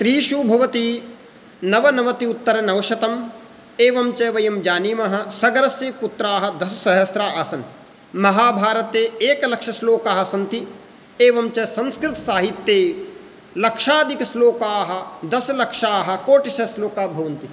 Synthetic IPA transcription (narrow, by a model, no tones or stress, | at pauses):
st̪ɾiːʃubʱɐʋɐt̪i | nɐʋɐnɐʋɐt̪iut̪ːɐɾɐnɐʋɐʃɐt̪ɐm | eːʋɐmt͡ʃɐʋɐjɐmd͡ʒaːniːmɐɦɐ̆sɐɡɐɾɐsjeːput̪ɾaːɦɐ̆d̪ɐsɐsɐɦɐsɾaːaːsɐn | mɐɦaːbʱaːɾɐt̪eːeːkɐlɐkʂɐsloːkaːɦɐsɐnt̪i | eːʋɐmt͡ʃɐsɐ̃mskɾɪt̪ɐsaːɦit̪jeː | lɐkʂaːd̪ʱikɐsloːkaːɦɐ̆d̪ɐsɐlɐkʂaːɦɐ̆koːʈisɐsloːkaːbʱɐʋɐnt̪i